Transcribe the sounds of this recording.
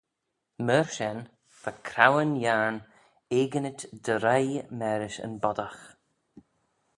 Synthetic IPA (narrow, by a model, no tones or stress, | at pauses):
məɹʃɛn | fakʰɾawənjaɹn | eːɡənɪtd̪̥əɾajmɛːɾɪʃə̰nbɔd̪ax